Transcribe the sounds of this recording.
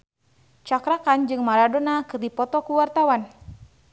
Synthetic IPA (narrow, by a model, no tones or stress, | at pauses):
t͡ʃakɾakand͡ʒɨŋmaɾadɔnakɨrdipɔt̪ɔkuwart̪awan